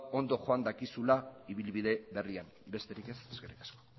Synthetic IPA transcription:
o̞nd̪o̞ʝo̞and̪akisulaiβ̞ilβið̞e̞βe̞riam | be̞st̪e̞ɾike̞seske̞rikḁsko

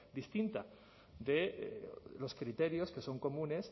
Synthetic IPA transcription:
d̪ist̪int̪a | d̪e̞̰ | lo̞skɾit̪e̞ɾjo̞ske̞so̞ŋko̞mũne̞s

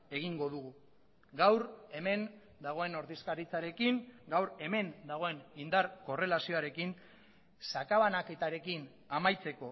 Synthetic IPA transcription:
e̞ɣ̞iŋɡo̞ðuɣu | ɡawɾe̞me̞n | d̪aɣ̞o̞e̞no̞ɾðiskaɾit͡saɾe̞kiŋɡawɾe̞me̞nd̪aɣ̞o̞e̞nind̪aɾko̞re̞lasio̞aɾe̞kin | sakaβanake̞t̪aɾe̞kin | amajt͡se̞ko̞

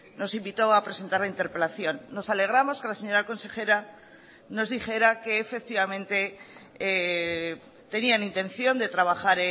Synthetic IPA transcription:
no̞simbit̪o̞apɾe̞se̞nt̪aɾlaint̪eɾpe̞laθjo̞nːo̞sale̞ɣ̞ɾamo̞ske̞lase̞ɲo̞ɾako̞nse̞xe̞ɾa | no̞zðixe̞ɾake̞ːfe̞k̚t̪iβamẽ̞nt̪e̞ | t̪e̞nianint̪e̞nθjo̞nd̪e̞t̪ɾaβ̞aχaɾe

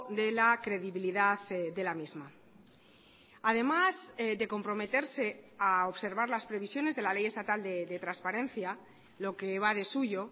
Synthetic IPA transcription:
d̪e̞lakɾe̞ðiβiliðaðd̪e̞lamizma | að̞e̞mazd̪e̞ko̞mpɾo̞me̞t̪e̞ɾse̞aoβse̞ɾβ̞aɾlaspɾe̞β̞isjo̞nezðe̞lale̞je̞st̪at̪ald̪ed̪e̞t̪ɾanspaɾẽ̞n̟θja | lo̞ke̞β̞aðe̞suʝo̞

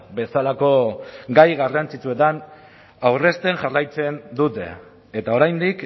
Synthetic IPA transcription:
be̞salako̞ɡajɣarant͡sit͡sue̞t̪an | awre̞st̪e̞ŋʝarajt͡se̞nd̪ut̪e̞̰ː | t̪ao̞ɾajnd̪ik

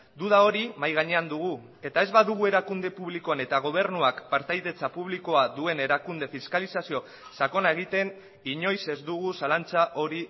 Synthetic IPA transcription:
d̪uðao̞ɾimajɣaɲe̞and̪uɣ̞u | e̞t̪ae̞zβaðuɣue̞ɾakund̪e̞puβliko̞ane̞t̪aɣ̞o̞β̞e̞ɾnuakpaɾt̪ajðe̞t͡sapuβ̞liko̞aðue̞ne̞ɾakund̪e̞fiskalisasio̞ | sako̞nae̞ɣ̞it̪e̞n | iɲo̞jse̞zd̪uɣ̞usalant͡saʔo̞ɾi

